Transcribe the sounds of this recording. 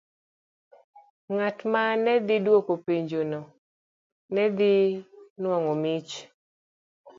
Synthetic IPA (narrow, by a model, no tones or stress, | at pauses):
ŋatmanɛd̪ɪdwokopeɲd͡ʒonɔ | nɛd̪ɪnwɔŋɔmit͡ʃ